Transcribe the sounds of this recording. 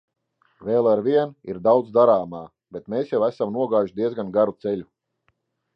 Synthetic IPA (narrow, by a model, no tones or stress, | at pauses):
veːlˠaɾvʲiɛnḭɾd̪awd̪zd̪aɾaːmaː | b̥et̪meːsjawæsamnuɔɡaːjuʃd̪iɛzɡanɡaɾut̪sɛlʲu